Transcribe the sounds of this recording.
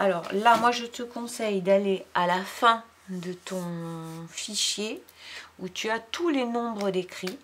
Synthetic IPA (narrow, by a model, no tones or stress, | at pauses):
alɔːʁlamwaʒət̪əkɔ̃sɛjd̪alealafɛ̃ | d̪ət̪ɔ̃fiʃjeut̪yat̪ulenɔ̃bʁəd̪ekχi